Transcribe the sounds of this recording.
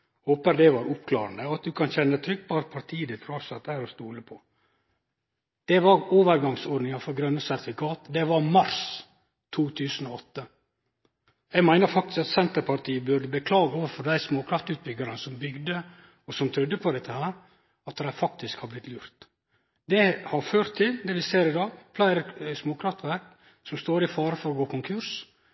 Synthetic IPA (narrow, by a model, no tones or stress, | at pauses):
hoːpəɾd̪ɛʋɑɾʊpkʰlɑ̰ːɾənd̪əɑt̪̚d̪ʉkʰɑnçɛnːət̪ʰɾʏɡ̚pɑɑɾpʰɑɾt̪ʰiːd̪ɛt̪ʰɾuɑɾsɑt̪ːæɪɾɔst̪uːləpʰɔ | d̪̥ɛʋɑɾoːʋəɾɡɑŋsoːɾɖnɪŋɑfɔɾɡɾœnːəsæɾθɪkʰɑːt̪d̪ɛʋɑmɑɾs | t̪ʰuːt̪ʰʉːsən̩ɔɔt̪ːə | jɛɪɡmæɪnəɾfɑk̚t̪ɪskɑt̪sɛnt̪əɾpʰɑɾʈ̪ʰiːəbʉɖəbəkʰlɑːɡəoːʋəɾfɔɾd̪æɪsmoːkʰɾɑft̪ʉːt̪̚bʏɡːəɾənəsɔmbʏɡd̪ə | ɔsɔmt̪ʰɾʉd̪ːəpʰɔd̪ɛt̪ːəhæːɾ | ɑt̪d̪æɪfɑk̚t̪ɪskhɑblɪt̪luːɾt̪ | d̪ɛhɑɾføːɾt̪ʰːɪld̪ɛʋɪseːɾɪd̪ɑːɡflæɪɾəsmoːkʰɾɑft̪ʋæɾk | sɔmst̪oːɾɪfɑːɾəfɔɾɔɡoːkʰʊŋkʰʉɾs